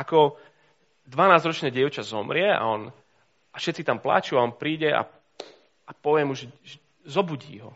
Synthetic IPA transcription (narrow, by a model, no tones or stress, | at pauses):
akɔ | d̪ʋanaːzɾɔt͡ʃnɛːɟɪɛʊt͡ʃazɔmɾɪɛa̰ɔn | afʃɛt̪̚t͡sit̪ampla̰t͡ʃuaɔnpɾiːɟɛa̰ | apɔʋɪɛmuʒɛʒɛ | zɔbuɟḭːɦɔ̰